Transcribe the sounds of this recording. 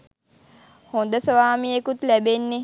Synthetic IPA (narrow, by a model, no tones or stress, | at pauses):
hond̪əsəʋaːmijekut̪læbenːe